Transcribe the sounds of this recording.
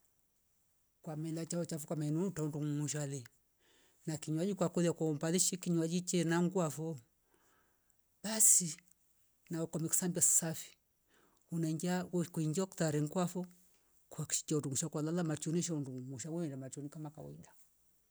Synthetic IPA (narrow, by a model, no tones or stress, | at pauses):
kwamɛlat͡ʃaɔt͡ʃafukamanutaunduŋumuʃ̬alɛ | nakiɲuad͡ʒikwakɔðiakɔɔmbaliʃikiɲuad͡ʒit͡ʃɛnaŋɡuafɔ | ɓasi | naɔkɔmɛku̥sambassafi̥ | unaiŋɡiakuiŋɡiaku̥taɾɛŋɡwafɔ | kuakʃi̥t͡ʃaunduŋuʃakwalalamat͡ʃɔniʃ̬aunduŋuŋuʃawuɛndamat͡ʃɔnikamaka̰wɔ̰ida